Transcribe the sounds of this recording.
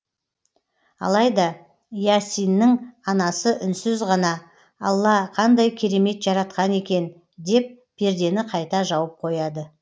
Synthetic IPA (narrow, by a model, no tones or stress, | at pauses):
ɑ̰lˠɑjd̪ɑ | jasijnːɪŋɑnɑsəʔʏnsɪzʁɑnɑ | ɑlˠːɑqʰɑnd̪ɑjkʲʰe̞ɾe̞me̞t̪ʒɑɾɑt̪̚qɑne̞kʲe̞n | d̪e̞p̚ | b̥e̞ɾd̪e̞nɪqʰɑjt̪ɑʒɑwəp̚qʰo̞jɑd̪ə